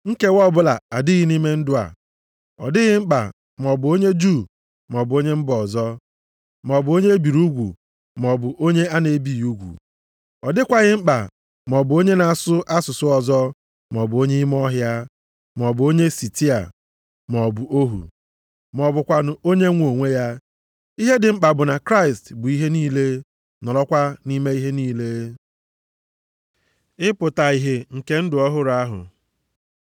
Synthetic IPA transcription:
ŋ̩˦ke˦wɔ˦bʊ˦la̰˨a˨dɪ˦ɣɪ˦ni˦me˦n̩˦dʊ˦a̰˨ | ɔ̰˨dɪ˦ɣɪ˦ŋ͡m̩˦k͡pa̰˨ | m˨ɔ˨bʊ˨o˦ɲe˦d͡ʒu˦˨ | m˨ɔ˨bʊ˨o˦ɲe˦m̩˦bɔ˨zɔ˦ | m˨ɔ˨bʊ˨o˦ɲe˦bi˨ɾu˦ɡʷṵ˨ | m˨ɔ˨bʊ˨ʔo˦ɲe˦a˦ne˨˦bi˦˨u˦ɡʷṵ˨ | ɔ˨dɪ˦kʷa˨ɣɪ˦ŋ͡m̩˦k͡pa̰˨ | m˨ɔ˨bʊ˨o˦ɲe˦na˨a˨sʊ˦ʔa˦sʊ˨sʊ˦ɔ˨zɔ˦ | m˨ɔ˨bʊ˨o˦ɲe˦i˦m˦ɔ˦ɦja˦ | m˨ɔ˨bʊ˨o˦ɲe˦si˨ti˦a̰˨ | m˨ɔ˨bʊ˨ʔo˦ɦṵ˨ | m˨ɔ˨bʊ˨kʷa˨nʊ˨o˦ɲe˦ŋʷo˨ŋʷe˦ja˦ | i˦ɦe˦dɪ˨ŋ͡m̩˦k͡pa˨bʊ˨na˨kɾa˦˨ɪ˨stbʊ˨i˦ɦe˦niː˦le˦ | nɔ˨lɔ˦kʷa˦ni˦me˦i˦ɦe˦niː˦le˦ | ɪ˦pʊ˨ta˨i˨ɦe˨ŋ̩˨ke˦n̩˦dʊ˨ɔ˦ɦʊ˦ɾa˦ɦʊ̰˨

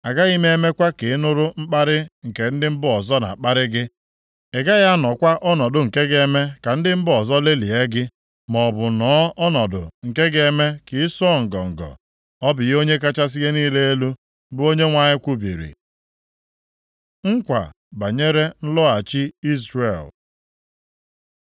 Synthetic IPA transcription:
a˨ɡa˦i˦me˦e˦me˦kʷa˦ke˨ɪ˦nʊ˦ɾʊ˦m̩˦k͡pa˦ɾɪ˦ŋ̩˨ke˨n̩˦dɪ˦m̩˦bʊ˦ɔ˨zɔ˦na̰˨k͡pa˦ɾɪ˦ɡɪ˦ | e˨ɡa˦ja˦nɔ˨kʷa˦ʔɔ˦nɔ˨dʊ˨ŋ̩˨ke˦ɡe˦me˦ka˨n̩˦dɪ˦m̩˦bʊ˦ɔ˨zɔ˦le˦li˨e˦ɡɪ˦ | mɔ˨bʊ˨nɔ˨˦ɔ˦nɔ˨dʊ̰˨ŋ̩˨ke˦ɡe˦me˦kɪ˨˦sɔ˦˨ŋ̩˨ɡɔ˨ŋ̩˨ɡɔ̰˨ | ɔ˦bɪ˨jo˦ɲe˦ka˦t͡ʃa˦s̬i˦ɣe˦niː˦le˦e˦lu˦ | bʊ˦o˦ɲe˦ŋʷa˦˨ɲɪ˦kʷu˦bḭ˨ɾḭ˨ | ŋ̩˦kʷa̰˨ | ba˨ɲe˦ɾe˦n̩˦lɔ˦a˨t͡ʃi˦i˦sɾe˨l

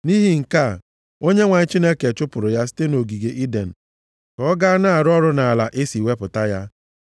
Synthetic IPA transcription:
ni˦ɦi˦ŋ̩˨ka˦˨ | o˦ɲe˦ŋʷa˨ɲ˦t͡ʃi˦ne˦ke˨t͡ʃʊ˦pʊ˨ɾʊ˨ja˦s̬i̥˦te˦no˨ɡi˨ɡe˨ʔi˦de˨n̩˨ | kɔ˦ɡa˦a˦na˦a˨ɾɔ˦ɾʊ˦na˨a˨la˨ʔe˦si˨we˦pʊ˨ta˦ja˦

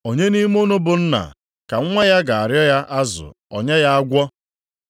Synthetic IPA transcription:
o˨ɲe˦ni˦m˦o˦no˦bʊ˨n̩˦na̰˨ | ka˨˦ŋʷe˦ja˦ɡa˨a˨ɾjɔ˦ja˦ʔa˦zʊ̰˨ɔ̰˨ɲe˦ja˦a˦ɡʷɔ˦

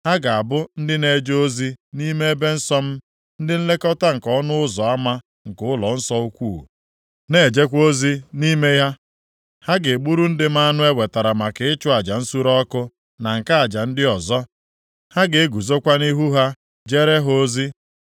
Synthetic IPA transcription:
ha˦ɡa˨a˨bʊ˦n̩˦dɪ˦ne˦˨d͡ʒo˦zi˦ni˦me˦e˦be˦n̩˦sɔ˦m̩˦ | n̩˦dɪ˦n̩˦le˦kɔ˦ta˦ŋ̩˨kɔ˦nʊ˦ʊ˦zɔ˨a˦ma˦ | ŋ̩˨kʊ˦ʊ˦lɔ˨n̩˦sɔ˦u˦kʷuː˦˨ | ne˨d͡ʒe˦kʷo˦zi˦ni˦me˦ja˦ | ha˦ɡe˨ɡ͡bu˦ɾu˦n̩˦dɪ˦m̩˦a˦nʊ˦e˦we˨ta˨ɾa˨ma˨kɪ˨ɪ˦t͡ʃʊ˦a˨d͡ʒa˨n̩˦su˦ɾɔ˦kʊ˦ | na˨ŋ̩˨ka˦a˨d͡ʒa˨n̩˦dɪ˦ɔ˨zɔ˦ | ha˦ɡe˨e˦ɡu˨zo˦kʷa˦ni˦ɦu˦ɦa˦ | d͡ʒe˦ɾe˦ɦo˦zi˦

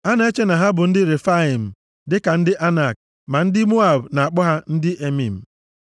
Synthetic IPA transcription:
a˦na˨e˦t͡ʃe˦na˨ɦa˦bʊ˨n̩˦dɪ˦ɾe˨fa˦i˨m̩˨ | dɪ˦ka˨n̩˦dɪ˦ʔa˦na˦˨k̚ | ma˨n̩˦dɪ˦mo˦a˨bna˨a˨k͡pɔ˦ɦa˦n̩˦dɪ˦ʔe˦mi˨m̩˨

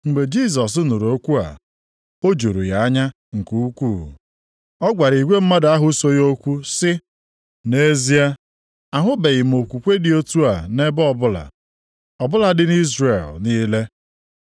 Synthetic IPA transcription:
ŋ͡m̩˨ɡ͡be˨d͡ʒi˦˨s̬ɔ˨s̬u˦nu˨ɾo˦kʷu˦a̰˨ | o˦d͡ʒo˨ɾṵ˨ja˨a˦ɲa˦ | ŋ̩˨ku˦u˦kʷṵː˦˨ | ɔ˦ɡʷa˨ɾi˨ɡʷe˦m̩˦ma˦da˦ɦʊ˦so˦jo˦kʷu˦sɪ˦ | ne˦zi˦a˦ | a˨ɦʊ˦be˨ɣɪ˨m̩˨o˨kʷu˨kʷe˦dɪ˨o˦tu˦a˨ne˦bɔ˦bʊ˦la̰˨ | ɔ˨bʊ˦la˨dɪ˨n˦i˦zre˨lniː˦le˦

